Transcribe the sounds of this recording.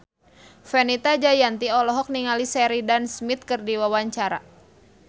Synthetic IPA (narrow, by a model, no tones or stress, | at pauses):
fɛnit̪ad͡ʒajant̪iɔlɔɦɔk̚niŋalisɛɾidansmit̪̚kɨrdiwawaɲt͡ʃaɾa